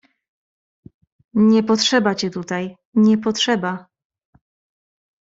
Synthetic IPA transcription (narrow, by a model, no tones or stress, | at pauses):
ɲɛpɔtʂɛbat͡ɕɛt̪ut̪aj | ɲɛpɔtʂɛba